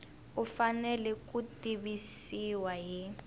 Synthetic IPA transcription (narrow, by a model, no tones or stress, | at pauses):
ufanɛlɛkutiβisiwaɦi